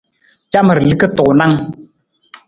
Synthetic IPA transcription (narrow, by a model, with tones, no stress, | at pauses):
t͡ʃa˦mə˨ɾli˦kə˦tɔ˨na˦ŋ